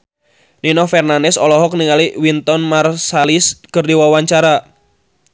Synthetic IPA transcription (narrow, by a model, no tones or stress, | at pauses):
ninɔfɛrnandɛsɔlɔɦɔk̚niŋaliwint̪ɔnmarsaliskɨrdiwawaɲt͡ʃaɾa